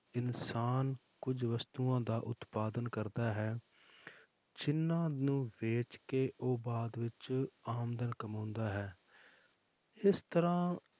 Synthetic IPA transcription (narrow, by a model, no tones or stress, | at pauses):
ɪnsaːn | kʊd͡ʒʋəst̪uːãːd̪aːʔʊt̪paːd̪ənkəɾd̪aːɦɛː | d͡ʒɪnːãːnũːʋeːt͡ʃkeːʔoːbaːd̪ʋɪt͡ʃaːmd̪ənkəmãːnd̪aːɦɛː | ɪst̪əɾãː